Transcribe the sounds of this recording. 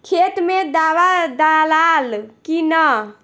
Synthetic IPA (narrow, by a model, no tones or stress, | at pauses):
kʰet̪med̪aʋad̪alalkinə